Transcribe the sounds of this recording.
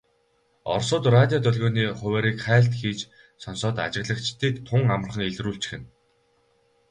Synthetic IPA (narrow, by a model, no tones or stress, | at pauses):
ɔ̰rsʊːt̪rat̪ʲjɔt̪ʰœɮɣoːniːχʊwæːɾiːkχæːɬt̪xiːt͡ɕ | sɔnsɔːt̪a̰t͡ɕɪ̆ɣɮə̆kt͡ɕʰt̪ʰiːkt̪ʰːʊŋam̆r̆χə̆ŋeɮruːɬt͡ɕxɘ̆n